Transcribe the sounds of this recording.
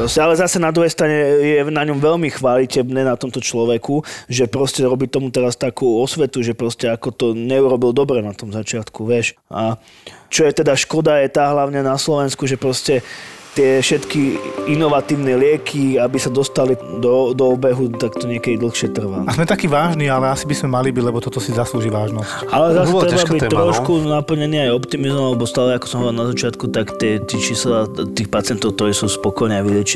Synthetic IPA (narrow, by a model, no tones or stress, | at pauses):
pɾɔscɛalɛzasɛnad̪ɾuɦɛjst̪ɾaɲɛjɛnaɲɔmʋɛʎmixʋalicɛbnɛnat̪ɔmt̪ɔt͡ʃlɔʋɛkuʒɛpɾɔscɛɾɔbit̪ɔmut̪ɛɾast̪akuːɔsʋɛt̪uʒɛpɾɔscɛakɔt̪ɔɲɛuɾɔbild̪ɔbɾɛnat̪ɔmzat͡ʃɪat̪kuʋɪɛʃa | t͡ʃɔjɛt̪ɛd̪aʃkɔd̪ajɛt̪aːɦlaʊɲɛnaslɔʋɛnskuʒɛpɾɔscɛt̪ɪɛfʃɛt̪kiinɔʋat̪iːʊnɛlɪɛkʰiabisad̪ɔst̪alid̪ɔd̪ɔːbɛɦut̪akt̪ɔɲɪɛkɛd̪id̪l̩xʃɪɛt̪r̩ʋaazmɛt̪akiːʋaːʒniːalɛasibizmɛmalibiɟlɛbɔt̪ɔt̪ɔsizasluːʒiːʋaːʒnɔs | ʔalɛzasɛɾɛtɛbabit̪ːɾɾɔʃkunapl̩ɲɛniːajɔpt̪imizmɔmalɛbɔst̪alɛakɔ̥sɔmɦɔʋɔɾilˠnazat͡ʃɪat̪kut̪akt̪ɪɛt̪iːt͡ʃiːslat̪iːxpat͡sɪɛnt̪ɔʊk̚t̪ɔɾiːsuːspɔkɔjnɛaʋilɪɛt͡ʃi